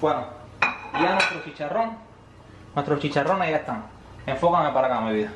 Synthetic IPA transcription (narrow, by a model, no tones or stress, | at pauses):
wano | janwest̪ɾot͡ʃit͡ʃaroŋ | nwest̪ɾot͡ʃit͡ʃaronajaest̪aŋ | eɱfokaŋepaɾakaameβiða